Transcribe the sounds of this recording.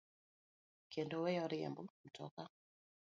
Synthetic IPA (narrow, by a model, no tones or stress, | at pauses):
kɛndɔwɛjɔɾiɛ̰mbum̩tʰɔ̰ka